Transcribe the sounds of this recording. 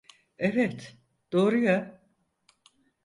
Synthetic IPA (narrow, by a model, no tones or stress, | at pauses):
evɛt̪ | d̪̥o̞ːɾuja